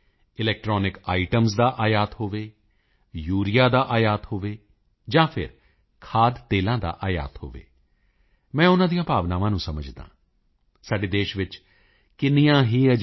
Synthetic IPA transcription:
ɪlɛːk̚ʈɾɔːnɪkaːiʈəmsd̪aːʔaːjaːt̪ɦoːʋeː | juːɾɪjaːd̪aːʔaːjaːt̪hoːʋeː | d͡ʒãːpʰɪ̰ɾ | kʰaːd̪t̪eːlãːd̪a̰ːʔaːja̰ːt̪ho̰ːʋḛː | mɛ̃ːʊnãːd̪ijãːpaːʋnaːʋãːnũːsəməd͡ʒd̪ã̰ː | saːɖeːd̪eːʃʋɪt͡ʃ | kɪnijãːɦiːəd͡ʒ

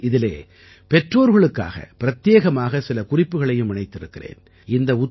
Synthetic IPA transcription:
ɪðɪlḛː | pɛʈroːɾɣɐɭɯkːa̰ːɣɐ̰pɪɾɐt̪ːjeːɣɐmaːɣɐsɪlɐkʊrɪpːɯɣɐɭɐjɯmɪnɐɪt̪ːɪɾɯkːɪrḛːn | ɪnd̪ɐʊt̪

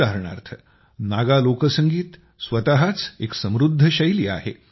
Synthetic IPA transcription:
aɦəɾɳa̰ɾt̪ʰə | naɡalokəsəŋɡiːt̪ | sʋət̪aɦat͡seksəmɾud̪ʱːəɕəjliːa̰ɦḛ

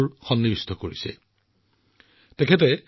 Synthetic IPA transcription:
ɹxɔnːibistʰɔkoɹisɛ̰ | tɛkʰɛt̬ɛ

